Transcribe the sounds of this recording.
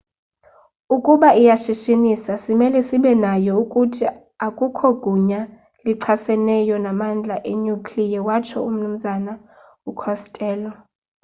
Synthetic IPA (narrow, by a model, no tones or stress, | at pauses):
ukʼuɓaijaʃiʃinisasimɛlɛsiɓɛnajɔukʼutʰi | akʼukʰɔɡ̥ʱuɲa | liǀʰasɛnɛjɔnamand͡ɮʱaʔeɲukʰʼlijawat͡ʃʰɔum̩num̩zana | ukʰɔstʼɛːlɔ